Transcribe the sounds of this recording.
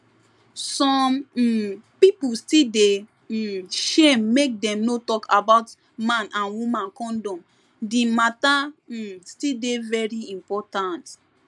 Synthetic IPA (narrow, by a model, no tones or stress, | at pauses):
sɔm̩ | pipustilde | ʃemːek̚dɛ̃mnotɔkʰabaʊt | mãnʔãnwumãnkɔ̃ndɔ̃m | dimatastildevɛɹiĩmpɔtãnt